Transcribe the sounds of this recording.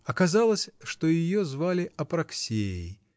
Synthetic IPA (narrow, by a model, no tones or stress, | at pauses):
ɐkɐzalˠəsʲʂt̪ojɪjozvalʲɪʔɐpɾɐksʲeɪ̰